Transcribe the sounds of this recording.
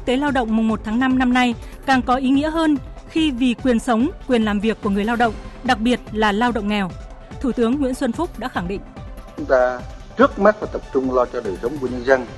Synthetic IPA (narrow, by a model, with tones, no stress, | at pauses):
k̚t̪e˨˦laː˧wɗə̰˧˨ŋ͡mmʊ˨˩ŋ͡mmo˨˩t̚t̪ʰaː˨˦ŋna˧mna˧mna˧j | kaː˨˩ŋkɔ˨˦ʔi˨˦ŋḭ˧˥əɦəː˧n | xi˧vi˨˩kwi˨˩ənsə˨˦wŋ͡mkwi˨˩ənlaː˨˩mvi˨˩əkːu˧˩əŋɨ˨˩əjlaː˧wɗə̰˧˨wŋ͡mɗa˨˩k̚ɓi˨˩ət̚laː˨˩laː˧wɗə̰˧˨ŋ͡mŋɛ˨˩w | t̪ʰu˧˩t̪ɨ˨˦əŋːwi˧˥ənswə˧nfʊ˦˥k͡p̚ɗa̰ː˧˥xa˧˩ŋɗḭ˧˨ŋ̟t͡ɕʊ˨˦ŋ͡mt̪aː˧ | t͡ɕɨ˦˥ək̚ma˦˥t̚faː˨˩jt̪ə˨˩p̚t͡ɕʊ˧ŋ͡mlɔ˧t͡ɕɔ˧ɗəː˨˩jsə˨˦wŋ͡mku˧˩əɲə˧nzə˧n